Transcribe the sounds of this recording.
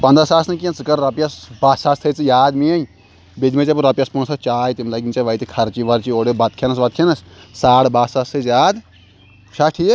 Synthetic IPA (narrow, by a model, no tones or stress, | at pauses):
pɐ̃nd̪ɾasaːsnɐkiɐnt͡sɨkɐɾɾɐpjɐsbaːsaːst̪ʰɐt͡sɨjaːd̪miɐj | bid̪met͡ʃɐp̬uɾɐpʲjɐspunsʰɐt͡ʃaːjt̪imlɐɡʲint͡ʃaʋɐit̪ikʰɐɾt͡ʃiʋɐɾt͡ʃioːɽebɐt̪̚kʰenɐs̬ʋɐt̪̚kʰinɐssaːɽbaːsast̪ʰəzjaːd̪ | ʃʰɐʈʰi